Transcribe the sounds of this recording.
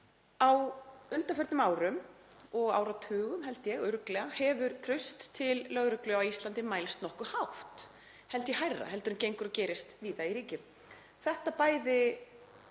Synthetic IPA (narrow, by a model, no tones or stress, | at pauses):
awʏnt̪afʏɾt̪nʏmaːwɾʏmɔɣa̰ːwɾawt̪ʰʏːɣʏmɦɛlt̪jɛɣʏɾklɛɣahɛvʏɾt̪ʰɾʏst̪ʰːɪlːœɣɾʏklʏawist̪lant̪ɪmaːjlst̪nɔhkʏhawft̪ | hɛlt̪jɛhajrːa̰hɛlt̪ʏɾʏncejŋkʏɾɔcɛːɾɪst̪viːðaiɾiːcɪm | θɛht̪apaːjðɪ